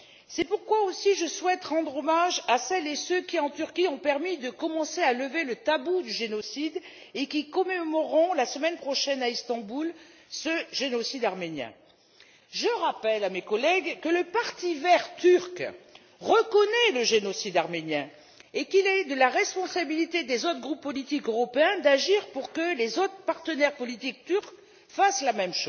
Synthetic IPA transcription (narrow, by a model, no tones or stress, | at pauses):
sɛpuʁkwaosiʒəswɛt̪ʁɑ̃d̪ʁɔmaʒasɛlesøkʲiɑ̃t̪yʁkʲiɔ̃pɛʁmid̪əkɔmɑ̃sealəvelət̪abud̪yʒenɔsid̪ | ekʲikɔmemɔʁɔ̃lasəmɛnpχɔʃɛnaist̪ɑ̃bulsəʒenɔsid̪aʁmenjɛ̰̃ | ʒəʁapɛlamekɔlɛɡkələpaʁt̪ivɛʁt̪yʁk | ʁəkɔnɛləʒenɔsid̪aʁmenjɛ̃ | ekilɛd̪əlaʁɛspɔ̃sabilit̪ed̪ezot̪χɡʁupːɔlit̪ikøʁɔpeɛ̃d̪aʒiʁpuʁkəlezot̪χpaʁt̪ənɛʁpɔlit̪ik̚t̪yʁk | faslamɛmʃo